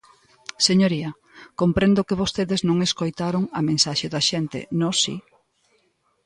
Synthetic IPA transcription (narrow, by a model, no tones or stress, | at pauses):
seɲoɾiɐ | kompɾend̪ʊkɪβost̪eðeznõŋeskojt̪aɾoŋɐmẽnsaʃeðɐʃent̪ɪ̰nosḭ